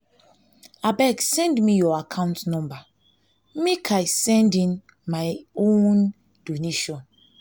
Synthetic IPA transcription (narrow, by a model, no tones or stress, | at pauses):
abɛksɛ̃ndmijɔakʰãw̃ntnɔ̃mba | mekʰajsɛ̃ndĩn | majõn | d̥oniʃɔ̃n